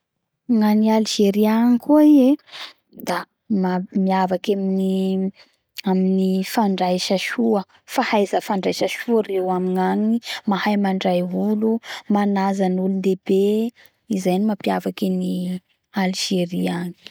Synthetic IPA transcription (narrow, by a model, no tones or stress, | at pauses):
ŋanialiʒeɾianikʰuie | d̪̥a | mamiavakamini | aminifaɳɖ͡ʐajʃaʃuə | fahajzəfaɳɖ͡ʐajʃəʃuərewamiŋanimahajmaɳɖ͡ʐajulumanazanulund̪ebe | izajnimapiavakini | aliʒ̥eɾiani̥